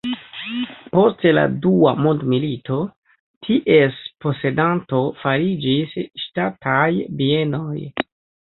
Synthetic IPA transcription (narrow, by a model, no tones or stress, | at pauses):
po̞stla̰dua̰mondmilito̞ | tʰiʔe̞spo̞se̞danto̞faɾid͡ʒisʃtatʰajbie̞no̞j